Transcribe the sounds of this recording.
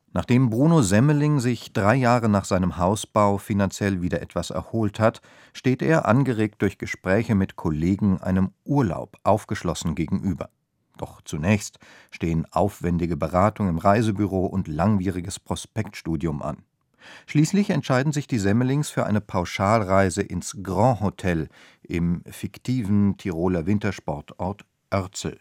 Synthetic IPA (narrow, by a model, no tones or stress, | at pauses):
naːχd̥eːmbʁuːnozɛməlɪŋzɪçd̥ʁaɪjaːʁənaːχz̥aɪnəmhaʊsb̥aʊfinant͡sjɛlviːdɐʔɛtv̥asɛ̰ɐhoːlthat | ʃteːtʔḛːɐʔa̰nɡəʁeːk̚t̚d̥ʊɐçɡ̥əʃpʁ̥ɛːçəmɪtkʰoleːɡŋ̩ʔa̰ɪnəmʔuːɐla̰ʊpʔaʊfɡ̥əʃlɔsn̩ɡeːɡŋ̩ʔyːbɐ̰ | d̥ɔχt͡sunɛːçst | ʃteːənʔa̰ʊfv̥ɛndɪɡəbəʁaːtʊŋɪmʁaɪzəbyʁoːʔʊntlaŋviːʁ̞ɪɡəspʁ̥ospɛktʃtuːdjʊmʔa̰n | ʃliːslɪçɛntʃaɪdn̩zɪçd̥iːzɛməlɪŋsfyːɐʔaɪnəpʰaʊʃaːlʁaɪzəʔɪnsɡ̥ʁɑ̃ːhotʰɛl | ʔɪmfɪktʰiːvn̩tʰiʁoːlɐvɪntɐʃpɔɐtʔɔɐt | ʔœɐt͡sl̩